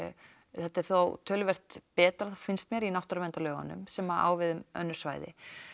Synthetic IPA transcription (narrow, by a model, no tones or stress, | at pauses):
θɛt̪ːɛɾ̥θowt̪ʰœːlvɛr̥t̪pɛːt̪ɾaθafɪnst̪mjɛɾinawht̪œɾvɛnt̪alœːɣa̰nːʏ̰msɛmaa̰ːwvɪðʏmœ̰nːʏɾ̥sva̰ːjðɪ̰